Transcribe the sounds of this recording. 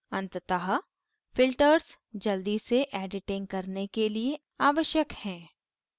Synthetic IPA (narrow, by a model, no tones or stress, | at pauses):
ɐ̃nt̪t̪əɦə | fɪlʈəɾs | d͡ʒɐld̪iseʔɛːɖɪʈɪ̃ŋkɐɾnekelie | aːʋəʃjəkhɛ̃ː